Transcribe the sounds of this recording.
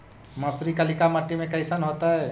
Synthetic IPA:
məsɾikəlikaməʈːimekəjsənɦot̪əe

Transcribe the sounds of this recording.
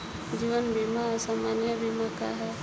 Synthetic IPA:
d͡ʒiʋənbʱimasaːmanjəbʱimaka̰ɦɛ

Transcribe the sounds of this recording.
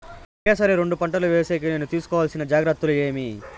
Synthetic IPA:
ɔkeːsɐɾeːɾoɳɖupɐɳʈɐluʋeːɐseːk̬ɐneːnut̪iːsu̥kɔːʋaːlsinɐd͡ʒaːɡɾɐt̪ːulueːmi

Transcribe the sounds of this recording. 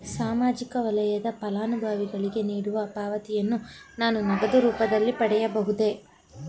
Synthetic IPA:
saːmaːd͡ʒikɐʋɐlɐjɐd̪ɐpɐlaːnubʱaːʋiɡɐɭiɡe̞niːɽuʋɐpaːʋɐt̪ijɐnːu | naːnunɐɡɐd̪ɐɾuːpɐd̪ɐlːipɐɽɛjɐbɐɦud̪e̞

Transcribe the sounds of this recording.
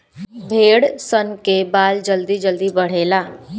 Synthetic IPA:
bʱeːɽsənkebaːld͡ʒəld̪id͡ʒəld̪ibəɽ̤eːlaː

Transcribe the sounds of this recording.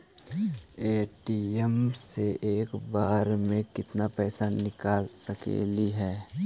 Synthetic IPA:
eːʈiɛmseʔeːkbaːɾmẽkɪt̪napɛːsanɪkaːlsɐkḛːliɦɛː

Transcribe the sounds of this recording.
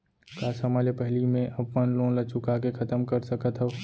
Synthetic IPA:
kaːsəmaːlepɛɦlimẽʔɐbmənlõːlɐt͡ʃʰʊkakekʰɐt̪əmkəɾsəkət̪ɦɛ

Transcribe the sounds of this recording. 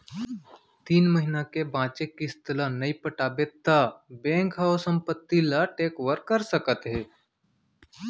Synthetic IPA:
t̪iːnməɦɪnakebãːt͡ʃekist̪ʰəlanəipəʈaːbeːt̪abɛ̃ːŋkɦaːosə̃mpət̪ːilaʈeːkʋəɾkəɾsəkət̪ɦɛː

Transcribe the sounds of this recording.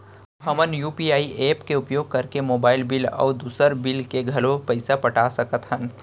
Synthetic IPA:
ɦɐmənjuːpiaːiʔeːpkeʊpjoːɡ̚kɐɾkemoːbaːɪlbɪlɔ̰ːd̪uːsəɾbɪlkeɡʱɐlopɐɪsapɐʈaːsɐkət̪ɦən

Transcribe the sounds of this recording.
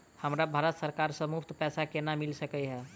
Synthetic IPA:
həmɾabʱaɾət̪səɾkaɾsəmupʰt̪pɛsakenamilsəkɛɦɛ

